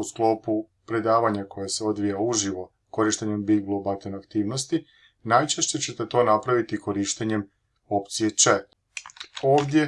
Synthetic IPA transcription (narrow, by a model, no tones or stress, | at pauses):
usklo̞ːpu | pɾe̞d̪aːʋaɲako̞jaseo̞d̪ʋijauʒiʋo̞ | ko̞ɾiʃt̪eɲe̞mbiɡblˠobat̪onakt̪iːʋno̞st̪i | najt͡ʃeʃt͡ɕet͡ɕe̞t̪e̞t̪o̞ːnapɾaʋit̪iko̞ɾiʃt̪eɲe̞m | o̞pt̪sije̞t͡ʃe | o̞ːʋd̪je̞